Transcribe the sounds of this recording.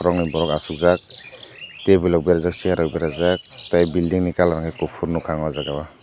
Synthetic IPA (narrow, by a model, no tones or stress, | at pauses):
ɾɔŋnibɔɾɔkasuk̚zak̚ | tebilɔbiɾazak̚siaɾɔbeɾazak̚tajbildiŋnikalaɾaŋhakuk̚pʰuɾnukʰaŋwazaɡaba